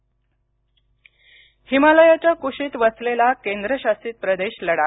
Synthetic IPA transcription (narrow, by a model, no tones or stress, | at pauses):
himaləjat͡ɕjakuɕiːt̪ʋəslelakend̪ɾəɕasiːt̪̚pɾəd̪eɕləɽa